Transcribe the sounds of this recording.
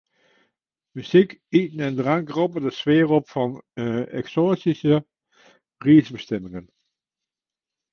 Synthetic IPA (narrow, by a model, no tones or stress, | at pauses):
myz̥ikitnɛndəraŋkrop̬ədəsʋeːrɔpfɑnɛ̰ksoːsisə | riːsbəstɛmɪŋən